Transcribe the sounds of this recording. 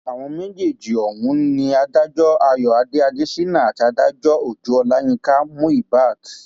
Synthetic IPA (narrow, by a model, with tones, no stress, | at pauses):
a˨w̃ɔ̃˧mẽ˦d͡ʒe˦˨d͡ʒi˨ɔ˨wũ˨˦nĩ˧a˧da˦d͡ʒɔ˦a˧jɔ˨a˧de˦a˧de˦si˦nã˦˨a˨ti˧a˧da˦d͡ʒɔ˦o˦˨d͡ʒu˨˦ɔ˧la˦j̃ĩ˧ka˦mũ˦i˦˨ba˦˨k